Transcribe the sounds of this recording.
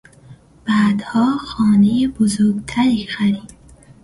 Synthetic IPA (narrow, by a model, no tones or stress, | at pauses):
b̥æːd̪hɒːxɒːnejebozoɾɡt̪ʰæɾiːxæɾiːd̪̥